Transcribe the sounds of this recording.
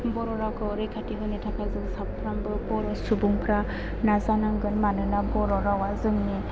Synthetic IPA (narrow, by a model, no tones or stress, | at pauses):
bɔɾɔɾawkʰɯɔɾɯjkʰatiɦɯjnɯtʰakʰazɯŋsappʰɾambɯbɔɾɔsubuŋpʰɾa | nazanaŋɡɯnmanɯnabɔɾɔɾawazɯŋni